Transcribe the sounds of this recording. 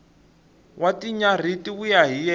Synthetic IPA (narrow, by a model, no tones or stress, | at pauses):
watiɲar̤itiujaɦijɛ